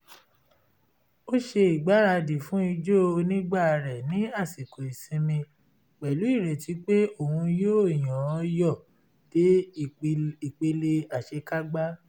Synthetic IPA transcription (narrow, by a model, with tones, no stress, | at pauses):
o˦ʃe˧i˨ɡ͡ba˨˦ɾa˧di˨fũ˨˦i˧d͡ʒo˦˧nĩ˦ɡ͡ba˦˨ɾɛ˨nĩ˨˦a˦˨si˨ko˨i˨sĩ˧mĩ˧ | k͡pɛ˨lu˨˦i˦˨ɾɛ˨ti˨˧˦k͡pe˦o˦˨hũ˧jo˦˨j̃ã˨˧jɔ˦˨ | d̥e˨˦ | i˨k͡pe˧le˧a˨ʃe˧ka˦ɡ͡ba˦